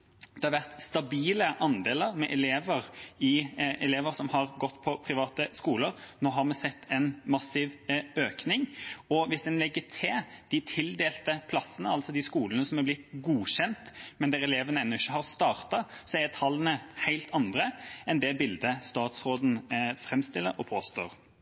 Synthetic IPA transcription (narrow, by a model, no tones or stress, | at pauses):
d̪ɛhɑɾʋæʁt̪st̪ɑbiːləʔɑnd̪eːləɾmɛʔɛleːʋəɾɪɛleːʋəɾsɔmhɑʁɡɔt̪ːpʰɔpʰɾɪʋɑːt̪əskuːləɾnoːɦɑɾmɛsɛt̪ːɛnmɑsɪʋøːknɪŋɔʋɪsd̪ɛnlɛɡːət̪ʰɛd̪̥ɪt̪ʰɪld̪eːlt̪əpʰlɑsːənəɑlsɔd̪ɪskuːlənəsɔmɛblɪt̪ːɡuːɕɛnt̪mɛnd̪ɛːɾɛleːʋənəɛnːɔɪçːəhɑʁst̪ɑːʁt̪ɑsɔɛt̪ʰɑlːənəhæɪlt̪ɑnd̪ɾəɛnd̪ɛbɪld̪əst̪ɑːt̪sɾoːd̪n̩fɾɛmst̪ɪlːə̰ɾɔpʰoːst̪o̰ːɾ